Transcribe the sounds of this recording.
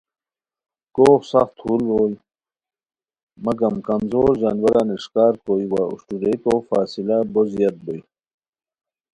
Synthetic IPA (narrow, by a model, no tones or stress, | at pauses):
koːxsɐxt̪hulɾoːl | mɐɡɐmkɐmzoːɾʑanwɐɾaniʂkaːɾkoːiwaṵʂʈuɾekoːfaːsilabozjɐt̪̚boi